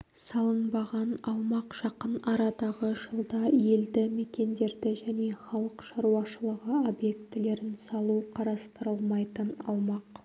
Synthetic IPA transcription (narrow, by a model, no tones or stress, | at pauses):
sɑlˠənbɑʁɑnɑwmɑqʒ̥ɑqənɑɾɑd̪ɑʁəʒəlˠd̪ɑje̞ld̪ɪme̞kʲe̞nd̪e̞ɾd̪ɪʒæne̞χɑlˠəqʃɑɾuɑʃəlˠəʁəo̞bje̞kt̪ɪle̞ɾɪnsɑlˠuqʰɑɾɑst̪əɾəlˠmɑjt̪ənɑ̰wmɑq